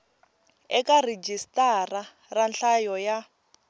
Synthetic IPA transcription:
ɛkared͡ʒistara | ranɬajɔja

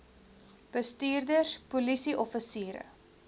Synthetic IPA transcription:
b̥əstyːrdərspulisiʔɔfəsiːɾə̰

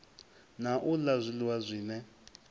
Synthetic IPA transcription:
naʔulazʷiliwazʷiːnɛ

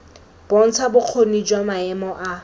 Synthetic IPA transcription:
b̥on̩t͡sʰabʊq͡χʰonid͡ʒwamaɛmɔʔa

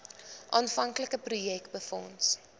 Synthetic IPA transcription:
ʔɑːnfɐŋkləkəprujɛkbəfɔ̰ns

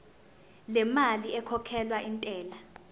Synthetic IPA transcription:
lɛmaliɛkʰɔkʰɛlwaʔintʼɛːla

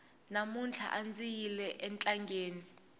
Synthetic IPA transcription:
namunt͡ɬʰa̰ʔand͡zijilɛʔɛnt͡ɬʼaŋɡeːni

